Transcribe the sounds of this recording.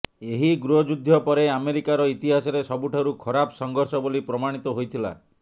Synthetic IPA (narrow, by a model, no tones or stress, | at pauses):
eɦiɡɾuɦɔd͡ʒud̪ʱːjɔpɔɾeameɾikaɾɔit̪iɦasɔɾesɔbuʈʰaɾukʰɔɾapɔsɔŋɡʱɔɾsɔbolipɾɔmaɽ̃it̪ɔɦojt̪ʰila̰